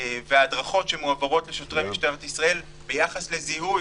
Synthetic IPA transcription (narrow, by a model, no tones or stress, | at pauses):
veaːdʁaχo̞tʃemuavoʁo̞tle̞ʃo̞tʁejmiʃteʁet̪isʁae̞l | be̞jaχaslezihu